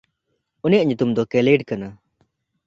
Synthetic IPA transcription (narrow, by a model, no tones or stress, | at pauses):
ɔnjaʔɲut̪umd̪ɔkɛleɖkana